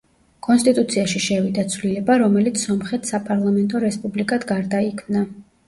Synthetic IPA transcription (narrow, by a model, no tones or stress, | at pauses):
kʼɔnst̪ʼit̪ʼut̪sʰiaʃiʃɛvid̪at̪sʰvlilɛbaɾɔmɛlit̪sʰsɔmχɛt̪ʰsapʼaɾlˠamɛnt̪ʼɔɾɛspʼublikʼad̪ɡaɾd̪aikʰmna